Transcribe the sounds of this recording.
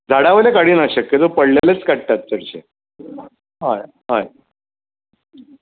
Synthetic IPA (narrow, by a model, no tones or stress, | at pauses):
d͡zʱaɽaʋəlekaɽiːnaɕəkːjet̪opəɽlalet͡skəɽ̚t̪at̪̚ːəɽt͡ɕḛ | ɦaj | ɦae